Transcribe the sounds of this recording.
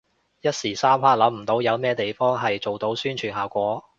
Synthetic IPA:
jɐ˥t̚siː˨˩saː˥mpʰaː˧˥k̚lɐ˨˥mm̩˨˩t̪o˨˥wjɐ˨˧wmɛː˥t̪e˨jfɔː˥ŋɦɐ˨jt͡so˨wt̪o˨˥wsyː˥nt͡ʃʰyː˨˩nhaː˨˩wkʷɔː˨˥

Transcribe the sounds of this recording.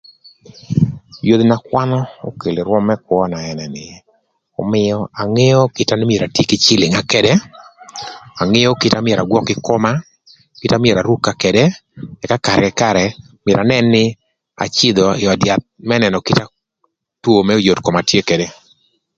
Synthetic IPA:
jod̪na˨kwa˦nɔ˦o̰˦ke˨le˨ɾwɔ˦mːɛ˦kwɔ˦na˨ɛ˨nɛ˨nɪ˨ | ɔ̰˨mɪjɔa˨ŋe˦jɔ˦kɪ˨ta˦nɪ˦mje˨ɾa˨tje˦kɪ˦t͡ʃɪ˦lɪ˨ŋa˨kɛdɛ˦ | a˨ŋɪ˦jɔ˦kɪ˦tamɪ˦ɛ˨ɾa˨ɡwɔ˦kɪ˦kɔ˦ma˦ | kɪ˦ta˦mɪ˦e˨ɾa˨ɾu˦ka˨kɛ˨dɛ˦ɛ˨ka˦ka˨ɾkɛ˨ka˦˨ɾɛ˨ | mjɾʔa˨nɛ˦nːɪ˦ | a̰˨t͡ʃɪ˦d̪ɔ˨ɪɔ˨dja˨t̪̚mɛ˦nɛ˨nɔ˨kɪ˦ta˦ | two˦˨mɛ˦o˦jo˨tkɔ˨ma˨tje˦kɛde˦

